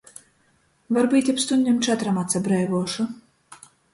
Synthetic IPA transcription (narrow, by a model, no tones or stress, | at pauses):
vaɾbiːt̪ʲapst̪und̪ʲimt͡ʃɛt̪ɾamat̪sabɾɛjvuɔʃu